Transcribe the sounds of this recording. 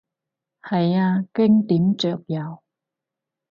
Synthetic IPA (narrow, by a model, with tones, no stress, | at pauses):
hɐ˨jaː˧kɪ˥ŋt̪iː˨˥mt͡ʃœː˨k̚jɐ˨˧w